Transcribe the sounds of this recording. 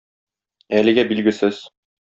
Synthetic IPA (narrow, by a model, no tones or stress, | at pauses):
ælɘ̆ɡæbilɡɘ̆sɘz̥